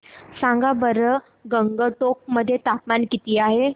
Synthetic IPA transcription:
sãŋɡabəɾə | ɡəŋɡəʈok̚məd̪ʱːjet̪ap̚mankit̪iːaɦe

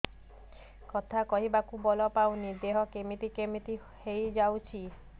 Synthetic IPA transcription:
kɔt̪ʰakɔɦibakubɔlɔpaw̃niɾd̪eɦɔkemit̪ikemit̪i | hejd͡ʒawt͡ʃʰi

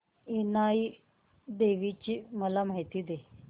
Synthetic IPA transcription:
inaj | d̪eʋit͡ɕiːməlam̤aɦit̪id̪e

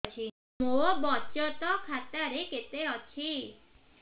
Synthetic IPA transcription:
t͡ʃʰi | mobɔt͡ʃɔt̪ɔkʰat̪aɾeket̪eɔt͡ʃʰi

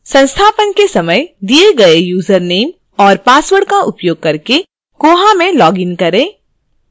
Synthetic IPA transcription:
sɐ̃nst̪ʰaːpənkesɐməjd̪ieɡɐejuːzəɾneːm | ɔːɾpaːswəɽkaʔʊpjoːɡ̚kɐɾke | koːɦamẽlɔːɡɪnkɐɾẽː

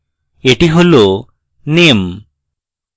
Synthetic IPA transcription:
eʈiɦolo | nem

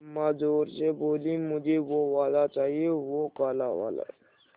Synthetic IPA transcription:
mad͡ʒoːɾseboːlĩmʊd͡ʒʱeʋoʋaːd̪at͡ʃaːɦieʋokaːlaʋa̰ːla̰

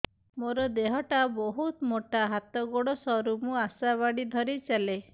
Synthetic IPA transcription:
moɾɔd̪eɦɔʈabɔɦut̪moʈaɦat̪ɔɡoɽɔsɔɾumuasaβaɽid̪ʱɔɾit͡ʃale

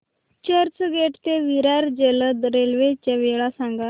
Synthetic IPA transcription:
t͡ɕəɾt͡səɡeʈt̪eʋiɾaɾd͡ʑeləd̪əɾelʋet͡ɕaʋeɭasãŋɡa

